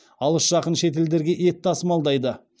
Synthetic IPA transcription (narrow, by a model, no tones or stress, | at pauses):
ɑlˠəsʒ̥ɑqənʃe̞t̪̬e̞ld̪e̞ɾɡʲe̞ʔe̞t̪ːɑsəmɑlˠd̪ɑjd̪ə